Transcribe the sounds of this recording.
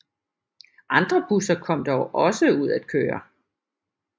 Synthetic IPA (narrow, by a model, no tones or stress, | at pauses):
ʔɑ̈nd̥ʁɐb̥usɐkʰɒ̽m̰d̥ɒʊʔɒ̽səuð̞̰ˠæd̥̚kʰøːɐ